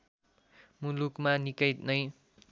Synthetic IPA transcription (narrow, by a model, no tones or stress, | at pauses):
mulukmanikʌjt̪nʌj